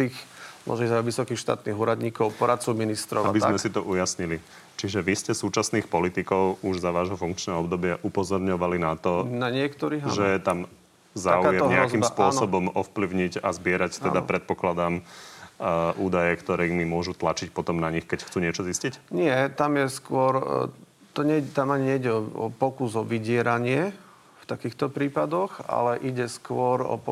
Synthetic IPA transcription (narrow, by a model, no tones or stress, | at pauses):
t̪iːxmɔ̰ʒzaʋisɔkiːxʃt̪a̰ːt̪niɦuːɾad̪ɲiːkɔʊpɔɾat̪t͡sɔminist̪ɾɔabizmɛsit̪ɔʔujasɲili | t͡ʃiʒɛʋiscɛsuːt͡ʃasniːxpɔlit̪ikɔʊuʒzaʋaːʒɦɔfuŋkt͡ʃnɛːɔbd̪ɔbɪaʔupɔzɔɾɲɔʋalinat̪ɔnaɲɪɛkt̪ɔɾiːɦʒɛjɛt̪am | zaːujɛɲɛazkimsspʊɔsɔbɔmɔfpliʊɲiɟazbɪɛɾact̪ɛd̪a̰pɾɛt̪̚pɔklad̪am | ʔuːd̪ajɛkt̪ɔɾɛmimʊɔʒut̪lat͡ʃicpɔt̪ɔmnaɲixkɛcxt͡suːɲɪɛt͡ʃɔziscicɲɪɛt̪amjɛskʊɔɾ | t̪ɔɲɛt̪amaɲiɲɛiɟɛɔɔ̰pɔkuzɔʋiɟɪɛɾaɲɪɛ | ft̪akiːxt̪ɔpɾiːpad̪ɔɣa̰lɛʔiɟɛskʊɔɾɔ̰p